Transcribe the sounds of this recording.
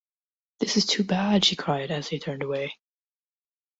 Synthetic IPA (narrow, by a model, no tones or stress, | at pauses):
ðɪsɨz̥tʰʉbæd̥ʃikʰɹ̥aɪɾɨz̥ðeɪtʰɜ̃˞ndəweɪ